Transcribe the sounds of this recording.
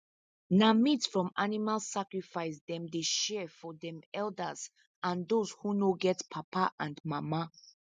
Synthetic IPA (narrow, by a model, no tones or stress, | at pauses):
namitsfɹɔ̃manimalsakɹifaɪsd̪ɛ̃md̪eʃɛfɔdɛ̃mɛldəz | ãnd̪oz̥hunoɡɛtpʰapʰaʔãndmama